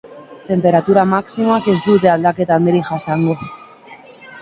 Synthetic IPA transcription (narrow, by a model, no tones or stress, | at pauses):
t̪e̞mpe̞ɾat̪uɾamaksimakezd̪uðeald̪aket̪ameɾixasaŋɡo